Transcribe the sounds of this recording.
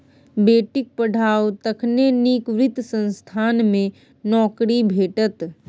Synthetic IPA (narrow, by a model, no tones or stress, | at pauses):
beːʈɪk̚pəɽ̤ʱaːot̪ɐkʰneniːkʋɾɪt̪sə̃nst̪ʰaːnmẽ | nɔːkɽibʱeːʈət̪